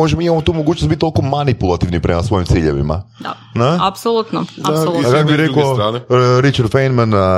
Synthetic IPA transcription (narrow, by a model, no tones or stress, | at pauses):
ɔʒɛbiimamɔt̪umoɡut͡ʃnosbit̪t̪ːolˠkumanipulˠat̪ivnipɾɛmasvoimt̪siʎɛ̰vḭma̰d̪a | naapsolˠut̪nɔaakakbiɾɛkɔɔnɾit͡ʃaɾd̪fɛjnman